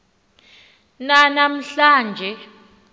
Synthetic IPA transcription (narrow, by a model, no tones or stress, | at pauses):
nanam̩ɬaːnd͡ʒʱɛ